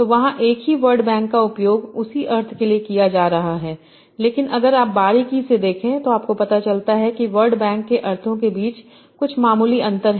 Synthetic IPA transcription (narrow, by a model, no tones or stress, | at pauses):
t̪oːʋɐɦãʔeːkɦiʋɐɾɖbɛ̃ːŋkːaʊpjoːɡʊsiʔɐɾt̪ʰkeliekijad͡ʒaːɾɐɦaɦɛː | leːkɪnʔɐɡəɾaːp̚baːɾikised̪eːkʰẽt̪oaːp̚kopɐt̪at͡ʃɐlt̪aɦɛkiʋɐɾɖbɛ̃ːŋkːeʔɐɾt̪ʰõkebiːt͡ʃ | kʊt͡ʃʰmaːmuːliɐ̃nt̪əɾɦ